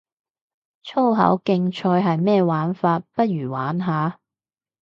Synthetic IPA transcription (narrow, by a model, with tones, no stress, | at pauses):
t͡ʃʰo˥wɦɐ̰˨˥wkɪ˧ŋt͡ʃʰɔː˧jɦɐ˨jmɛː˥˧waː˨˥nfaː˧t̚pɐ˥t̚ɥyː˨˩waː˨˥nɦaː˨˥